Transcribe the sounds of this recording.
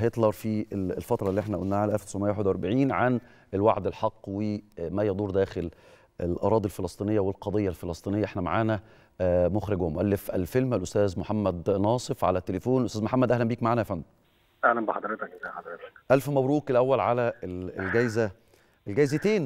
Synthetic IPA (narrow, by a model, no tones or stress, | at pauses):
et̪ˤlɑɾˤfielelfɑt̪ɾˤɑlːiːʔeħnæʔolnːæːʕalʔælft̪osʔomejːweħed̪wʔæɾbaʕiːnʕan | elwaʕd̪elħɑqːwemæjɑd̪ˤuːɾˤd̪æːxel | elʔɑ̰ɾˤɑːd̪ˤilfelɑsˤt̪ˤiːnejːæwelqɑd̪ˤejːælfelɑsˤt̪ˤinejːæʔeħnæma̰ʕaːnæ | moxɾɪɡohmoʔælːefʔæ̰lfelmælʔost̪æːzmoħamːæd̪nɑːsˤefʕa̰læt̪ːelefoːnʔst̪æːzmoħamːæd̪ʔæɦlæmbiːkmaʕaːnæjæfæmː | ʔæhlæmbeħɑd̪ˤɾet̪ɑkzæħɑd̪ˤɾet̪ɑ̥kʔælfmæwɾuːkelʔæwːælʕalæelelɡæjzæ | ʔelɡæjzet̪eːn